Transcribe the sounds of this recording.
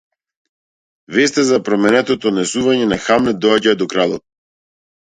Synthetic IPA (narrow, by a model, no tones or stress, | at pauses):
vɛst̪ɛzapɾɔmɛnɛt̪ɔt̪ɔd̪nɛsuvaɲɛnaxamlɛd̪ɔaɟad̪ɔkɾalˠɔt̪̚